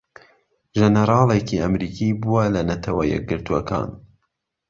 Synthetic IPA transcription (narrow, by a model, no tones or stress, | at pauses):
ʒɛnəɾɑːlekiʔɐmɾiːkʰibuwɐlɐnɐt̪ʰɐwɐjɛ̰k̚ɡɨɾt̪uɐkɑ̰ːn